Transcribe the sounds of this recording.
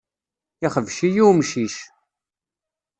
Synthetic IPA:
ɪχəvʃijumʃiʃ

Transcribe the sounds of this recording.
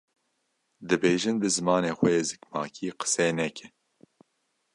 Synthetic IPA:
d̪ɨbeːʒɨnbɨzɨmɑːneːxʷɛjeːzɨkmɑːkʰiːqə̥sɛnɛkʰɪ

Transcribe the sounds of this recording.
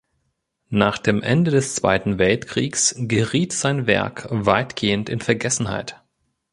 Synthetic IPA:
naːχd̥eːmʔɛndədɛst͡sv̥a̰ɪtn̩vɛltkʁ̥iːksɡ̥əʁiːtz̥aɪnvɛ̰ɐkvaɪtɡ̥eːəntɪnfɛɐɡɛsn̩ha̰ɪt

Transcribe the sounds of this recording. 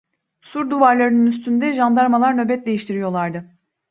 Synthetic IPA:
suɾd̪uvaɾlˠaɾɯnɯnyst̪ʰynd̪ɛʒand̪aɾmalˠaɾnø̞bɛt̪̚d̪ejiʃt̪ʰiɾijo̞lˠaɾd̪ɯ

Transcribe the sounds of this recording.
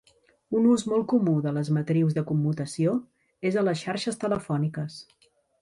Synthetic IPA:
unuzmɔlˠkumuðələzmət̪ɾiwzðəkumːut̪əsio | ezələsʃaɾʃəst̪ələfɔnikəs

